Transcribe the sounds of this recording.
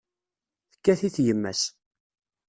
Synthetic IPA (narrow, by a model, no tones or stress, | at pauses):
θəkːæθiθjəmːæ̰s